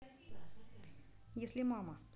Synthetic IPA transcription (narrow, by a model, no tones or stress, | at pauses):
jesʲlʲɪmamə